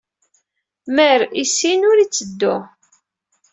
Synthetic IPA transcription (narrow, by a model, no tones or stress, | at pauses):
məɾisinʊɾit͡sːəd̪ːʊ